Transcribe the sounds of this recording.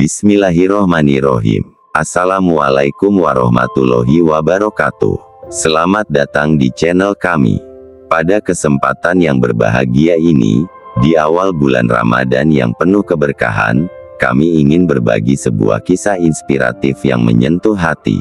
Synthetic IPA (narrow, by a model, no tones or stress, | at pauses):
bismilaɦiɾɔhmaniɾɔɦḭm | ʔasalamuwalaikumwaɾɔhma̰t̪uloɦiwabaɾokat̪ṵ | səlamat̪̚dat̪aŋdit͡ʃɛnəlkamḭ | padakəsəmpat̪anjaŋbərbaɦaɡiainidiawalbula̰nra̰madanjaŋpənʊhkəbərkaɦan | ka̰miːŋɪnbərbaɡisəbua̰hkisahinspiɾa̰t̪ifja̰ŋməɲənt̪uhɦat̪ḭ